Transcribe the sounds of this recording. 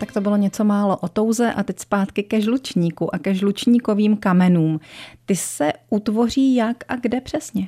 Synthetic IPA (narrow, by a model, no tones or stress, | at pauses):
t̪akt̪o̞bɪlo̞ɲɛt͡so̞maːlo̞ʔo̞t̪o̞wzɛʔat̪ɛcspaːt̪kɪkɛʒlut͡ʃɲiːkuʔakɛʒlut͡ʃɲiːko̞viːmkamɛnuːmt̪ɪsɛʔut̪vo̞r̝iːjakʔaɡdɛpr̥ɛsɲɛ